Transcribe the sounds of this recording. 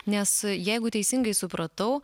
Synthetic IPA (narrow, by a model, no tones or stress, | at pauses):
nʲɛsjɛɪɡʊt̪ʲɛɪsʲɪŋɡɐɪsʊpɾɐt̪ɐʊ